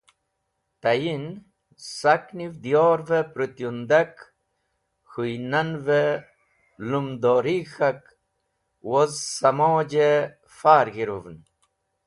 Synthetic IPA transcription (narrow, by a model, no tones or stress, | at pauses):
t̪ɐjin | sɐknivd̪ijoːɾvepɾut̪jund̪ak | xujnɐnve | lumd̪oːɾixɐk | wozsɐmoːd͡ʑe | faːɾɡiɾuvn